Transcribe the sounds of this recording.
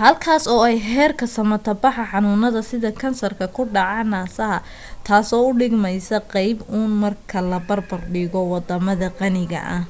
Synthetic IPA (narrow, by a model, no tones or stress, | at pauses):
hɐlkʰaːsɔːɛjɦɛːrkʰɐsɐmɐt̪ʰɐbɑħɑħɑnʊːnɐðɐsɪðɐkʰɐnsɐrkʰɐkʰʊɖɑʕɑnaːsɐɦɐ | t̪ʰaːsɔːʊɖɪɡmɛjsɐqɑjbuːnmɐrkʰɐlɐbɐrbɐrɖɪɣɔwɑd̪ɐmɐðɐqɑnɪɣɐ̰ʔɐh